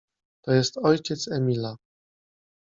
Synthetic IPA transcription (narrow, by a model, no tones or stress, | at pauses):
t̪ɔjɛst̪ɔjt͡ɕɛt̪sɛmʲila